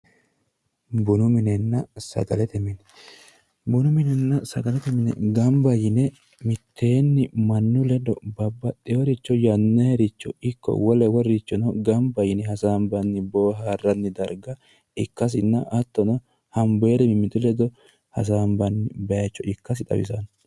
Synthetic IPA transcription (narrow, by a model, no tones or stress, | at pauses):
bʊnʊmɪnɛnːɐsɐ̰ɡɐlɛt̪ɛmɪnɛ | bʊnʊmɪnɛnːɐsɐɡɐlɛt̪ɛmɪnɛ̰ɡɐmbɐjɪnɛ | mɪt̪ʰːeːnːɪmɐnːʊlɛd̪ɔ̰bɐbːɐt̪ʼːɛwɔɾɪt͡ʃːɔjɐnːɛhɛɾɪt͡ʃːɔ̰ɪkːɔ̰wɔlɛwɔrɪt͡ʃːɔnɔɡɐmbɐjɪnɛhɐsaːmbɐnːɪboːɦaːrːɐnːɪd̪ɐɾɡɐ | ɪkːɐs̬ɪnːɐʔɐt̪ːɔnɔ | hɐmbɔɛd̪ɛmɪmɪt̪ʊlɛd̪ɔ | hɐ̰s̬aːmbɐnːɪbɐjɐt͡ʃːɔʔɪkːɐs̬ɪt̪ʼɐ̰wɪ̰sɐn